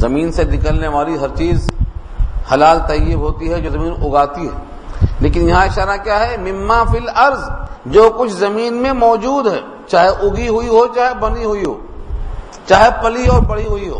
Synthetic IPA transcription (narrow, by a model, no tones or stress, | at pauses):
zɐmiːnsenɪkəlneʋaːliɦɐɾt͡ʃiːz | hɐlaːlt̪ɐjːəbɦoːt̪iɦɛd͡ʒoːzɐmiːnʊɡaːt̪iɦɛ̰ː | leːkɪnjɐɦãɪʃaːɾakjaːɦɛmɪmːaːfɪlɐɾzd͡ʒoːkʊt͡ʃʰzɐmiːnmẽmɔːd͡ʒuːd̪ɦɛː | t͡ʃaːɦeʔʊɡiɦʊiɦot͡ʃaːɦebɐniɦʊiɦo̰ː | t͡ʃaːɦepɐliɔːɾbɐɽ̤iɦʊiɦo̰ː